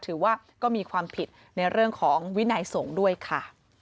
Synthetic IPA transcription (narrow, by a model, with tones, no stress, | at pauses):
t̪ʰɯː˩˦waː˥˩ | kɔː˥˩miː˧kʰwaː˧mpʰi˨˩t̪̚ | na˧jɾɯ˥˩əŋkʰɔː˩˦ŋwi˦˥na˧jso˩˦ŋdu˥˩əjkʰa˥˩